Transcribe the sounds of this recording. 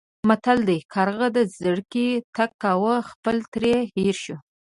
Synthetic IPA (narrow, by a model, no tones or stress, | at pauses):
mat̪ald̪ajkʰɑɾɣəd̪əzəɽkit̪akːawəxpəlt̪ɾeheɾʃu